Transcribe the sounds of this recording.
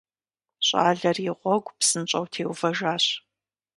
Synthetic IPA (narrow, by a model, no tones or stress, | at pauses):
ɕʼa̰ːɮɐrjɪʁʷɔɡʷpsɨnt͡ʃʼɐwtʰeːwfɐʒaːɕ